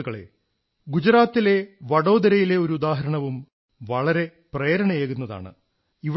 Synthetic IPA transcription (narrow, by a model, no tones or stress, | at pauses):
ɣɐɭḛ | ɡud͡ʑɐɾaːt̪ːile̞ʋɐɽo̞ːd̪ɐɾɐjile̞o̞ɾuud̪aːɦɐɾɐɳɐʋum | ʋɐɭɐɾe̞preːɾɐɳɐjeːɣunːɐða̰ːɳɨ̰ | iʋ